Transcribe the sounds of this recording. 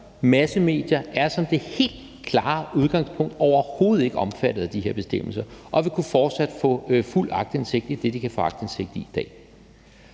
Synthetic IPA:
mæsəme̝̰ːd̥jɐʔæɐsɒ̽md̥e̝he̝̰ːld̥̚ | kʰlɑ̈ːuð̞ˠɡ̥ɑ̈ŋspʰɔ̽ŋ̰d̥ɒʊɐho̝ːð̩ˠe̝ɡ̥əɒ̽mfæd̥ð̩ˠd̥ihe̝ɐ̰b̥e̝sd̥em̰l̩sɐʔɒ̽ʋikʰufɒːd̥sæd̥fɔ̰̽ːful̰ɑ̈ɡ̥̚d̥ense̝ɡ̥̚d̥id̥e̝d̥ikʰæfɔ̽ɑ̈ɡ̥d̥ense̝ɡ̥̚d̥iid̥ɛ̰ː

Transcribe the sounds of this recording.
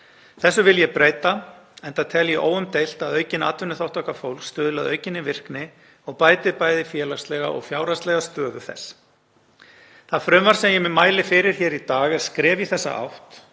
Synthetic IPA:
θɛsːʏvɪljɛpɾeːjt̪a | ɛnt̪at̪ʰɛljiʔo̰ːwʏmt̪ejl̥t̪aðœːɥcɪna̰t̪vʏnːʏθawht̪ɔhkafowl̥kst̪œːðʏlaðœɥcɪnːɪvɪr̥knɪ | ɔɣpaːjt̪ɪpaːjðɪfjɛːlast̪lɛɣa̰ʔɔ̰ɣfjaːwɾast̪lɛɣast̪œːɣʏθɛ̰sː | θaðfɾʏmvaɾ̥sɛmjɛmɪmaːjlɪfɪɾɪɾ̥çɛːɾit̪aːɣɛðskɾɛːvjiθɛsːa̰ʔa̰wht̪

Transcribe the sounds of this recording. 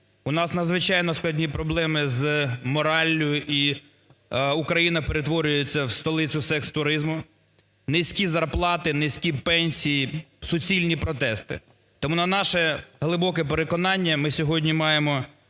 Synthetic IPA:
ʊnɑsnɐd̪zʋɪt͡ʃɑjnɔsklˠɐdʲnʲipɾɔblˠɛmɪzmɔɾɑlʲːʊjʊʔi | ʊkɾɐjinɐpeɾet̪ʋɔɾʲʊjet͡sʲːɐwst̪ɔlˠɪt͡sʲʊsɛkst̪ʊɾɪzmʊ | nesʲkʲizɐrplˠɑt̪ɪnesʲkʲipɛnʲsʲijisʊt͡sʲilʲnʲipɾɔt̪ɛst̪ɪ̰ | t̪ɔmunɐnɑʃɛɦlˠɪbɔkɛpeɾekɔnɑnʲːɐmɪsʲɔɦɔdʲnʲimɑjemɔ

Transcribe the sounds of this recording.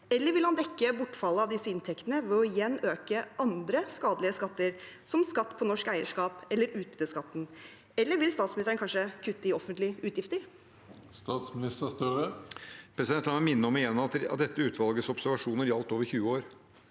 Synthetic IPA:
ɛlːəɾʋɪlhɑnd̪ɛkːəbʊʈːfɑlːəɑʋd̪ɪsːəɪnt̪ʰɛkt̪ənəʋɛɔɪjɛnːøːkəʔɑnd̪ɾəskɑːd̪lɪəskɑt̪ːəɾ | sɔmskɑt̪ːpʰɔnɔʂkæɪəʂkɑːpɛlːəɾʉːt̪̚bʉd̪əskɑt̪ːn̩ | ɛlːəɾʋɪlst̪ɑːt̪smɪnɪst̪əɳkʰɑnʂəkʰʉt̪ːəɪɔfənt̪lɪəʉːt̪jɪft̪əɾ | st̪ɑːt̪smɪnɪst̪əst̪øɾəpʰɾɛsɪd̪ɛnt̪ɑmɛmɪnːəɔmɪjɛnɑt̪t̪̚d̪ɛt̪ːəʉːt̪ʋɑlɡəsɔbsæɾʋɑʂuːnəɾjɑlt̪oːʋəɾçʉːəoːɾ

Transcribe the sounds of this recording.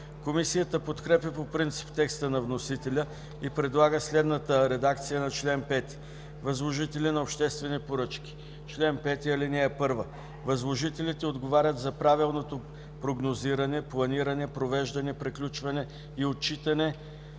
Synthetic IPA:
komisijət̪əpot̪kɾɛpʲjəpopɾint̪si̥pt̪ɛkst̪ənɐvnosit̪ɛlʲə | ipɾɛd̪lˠaɡəslɛd̪nət̪əɾɛd̪ak̚t̪sijənɐt͡ʃlɛnpɛt̪i̥ | vɐzlˠoʒit̪ɛlʲɛnɐopʃt̪ɛst̪vɛnipoɾɤt͡ʃkʲi̥ | t͡ʃlɛnpɛt̪iɐlinɛːpɤɾvə | vɐzlˠoʒit̪ɛlʲit̪ɛod̪ɡovaɾʲət̪zɐpɾavilˠnot̪o | pɾoɡnoziɾɐnɛplˠɐniɾɐnɛpɾovɛʒd̪ɐnɛpɾɛklʲut͡ʃvɐnɛ | iot̪t͡ʃit̪ɐnɛ

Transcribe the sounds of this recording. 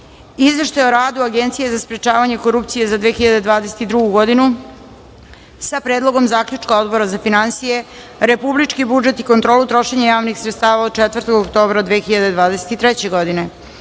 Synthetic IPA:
izʋeʃt̪ajeoɾaːd̪uaɡent̪sijezaspɾet͡ʃaːʋaɲe̞ko̞ɾupt̪sije̞zad̪ʋexiʎad̪e̞d̪ʋaːd̪ese̞t̪id̪ɾuɡuɡo̞d̪inu | sapɾeːd̪lˠo̞ɡo̞mzaːkʎut͡ʂkao̞d̪bo̞ɾazafinansije̞ | ɾepublit͡ʃkibud͡ʒe̞t̪ikont̪ɾo̞ːlut̪ɾo̞ʃe̞ɲajaːʋnixsɾet̪st̪aːʋaot͡ʃɛt̪vərɾt̪oɡokt̪o̞ːbɾad̪ʋeːxiʎad̪e̞d̪ʋaːd̪eset̪it̪ɾɛt͡ɕe̞ɡod̪ine̞

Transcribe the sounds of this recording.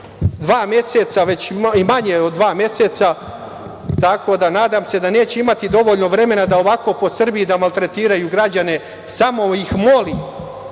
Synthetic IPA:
d̪ʋaːmje̞set̪saʋe̞t͡ɕimaɲeo̞d̪ːʋaːmje̞set̪sa | t̪ako̞d̪anaːd̪amse̞d̪ane̞ːt͡ɕeimat̪id̪o̞ʋo̞ʎno̞ʋɾe̞me̞nad̪aoʋako̞po̞sr̩bijid̪amalˠt̪ɾet̪iːɾajuɡɾad͡ʑane̞ | samo̞ixmoli

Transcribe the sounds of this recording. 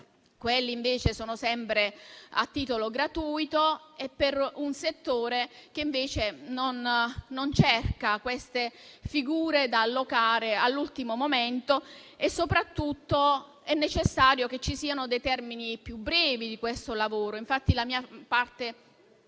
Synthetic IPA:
kwelːiːɱveːt͡ʃesoːnosɛmpɾea̰t̪ːiːt̪oloɡɾat̪uːjt̪oɛpːerunset̪ːoːɾek̟eiɱveːt͡ʃenonːont͡ʃɛrkakwest̪efiɡuːɾed̪alːokaːɾealːult̪imomoment̪oesːopɾat̪ːut̪ːo | ɛnːet͡ʃesːaːɾjok̟et͡ʃːisiːanod̪ejt̪ɛrminipjubːɾɛːvid̪ikwest̪olavoːɾoiɱfat̪ːilamiːapart̪e

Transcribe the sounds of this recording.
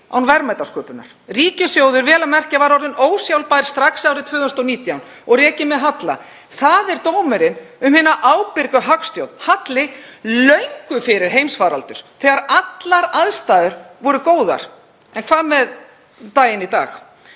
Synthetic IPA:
a̰wnvɛɾmajt̪askœːpʏna̰ɾ̥riːcɪsjoːwðʏɾvɛːlamɛr̥cavaɾɔɾðɪnoːwsjawlpajɾ̥st̪ɾaksawɾɪt̪vʏːðʏst̪owniːt̪jawn | ɔɣrɛːcɪmɛðɦat̪la̰ | θaðɛɾt̪owmɛɾɪnʏmhɪnaʔaːwpɪɾkʏɦakst̪jowt̪nhat̪lɪlœɥŋkʏfɪɾɪɾ̥ɦejmsfaːɾalt̪ʏɾ̥θɛːɣaɾat̪laɾaðst̪aːðʏɾvɔɾʏkoːwða̰ɾ̥ | ɛnkʰvaːðmɛð | t̪aːjɪnit̪a̰ːx

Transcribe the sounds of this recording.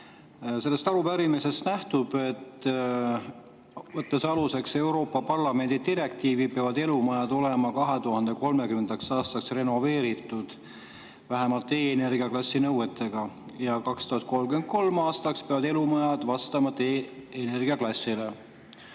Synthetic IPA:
se̞lːe̞st̪ɑɾupæɾimise̞st̪næht̪ub̥e̞t̪ | vɤt̪ːesɑluse̞kse̞wɾo̞ːpːɑpɑrlɑme̞nd̪id̪iɾe̞k̚t̪iːvipeɑvɑd̪e̞lumɑjɑd̪̥o̞le̞mɑkɑɦe̞t̪uhɑnd̪̥e̞ko̞lme̞kymend̪ɑksɑːst̪ɑksre̞no̞ve̞ːɾit̪ːˑud̪̥ | væɦemɑlt̪ːˑeːene̞rɡiɑklɑsʲːinɤwe̞t̪ːˑe̞ɡ̥ɑ | jɑkɑkst̪uhɑt̪̚ko̞lmɡyent̪̚ko̞lmɑːst̪ɑkspeɑvɑd̪e̞lumɑjɑd̪̥vɑst̪ɑmɑt̪eːne̞rɡ̥iɑklɑsʲːile̞

